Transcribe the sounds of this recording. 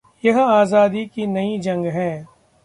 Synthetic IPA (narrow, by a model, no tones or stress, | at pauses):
jɐɦaːzaːd̪ikinɐid͡ʒɐ̃ŋɡɦɛ̃ː